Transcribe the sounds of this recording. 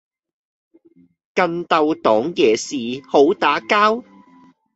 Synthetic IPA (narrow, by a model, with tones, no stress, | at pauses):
kɐ˧nt̪ɐ˨wt̪ɔː˨˥ŋjɛː˨˩siː˨ho˨˥wt̪aː˨˥kaː˥w